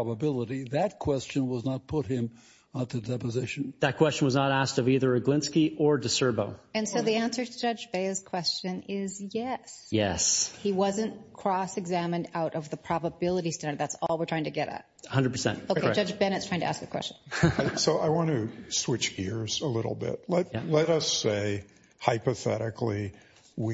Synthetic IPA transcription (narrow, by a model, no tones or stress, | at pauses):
ɑbəbɪlˠəɾiðɨt̚kʰw̥ɛst͡ʃɨ̃nwʌznət̚pʰʊt̚hɪ̃m | ət̪̚ðɨdɛpɨzɪʃɨ̃nðɨt̚kʰw̥ɛst͡ʃn̩wʌznəɾæstʌviðə˞ɨɡlɪ̃nskiʔə˞dɨsɜ˞boʊɨ̃nsoʊðiæ̃nsə˞ɾɨd͡ʒʌd͡ʒbeɪz̥kʰw̥ɛst͡ʃɨ̃nɪzjɛsjɛ̰shiwʌzɨ̃nkʰɹ̥ɔsɨɡzæmɨ̃ndaʊɾʔʌvðəpʰɹ̥ɑbəbɪlˠəɾistɛ̃ndə̃˞ðætsɔlˠwəɹtʰɹaɪ̃ŋtʰɨɡɛɾɨ̰t̚əhʌ̃ndəd̚pʰə˞sɛ̰̃ntoʊkeɪd͡ʒʌd͡ʒbɛnɨtstʰaɪ̃ŋtʰɨæsk̚ðɨkw̥ɛ̰st͡ʃn̩soʊʔaɪwɑ̃nɨswɪt͡ʃɡ̥ɪɹz̥əlɪɾl̩ˠbɪ̰t̚lɛtjælɛɾʌseɪ | haɪpɨθɛ̰ɾɨkʰli | wi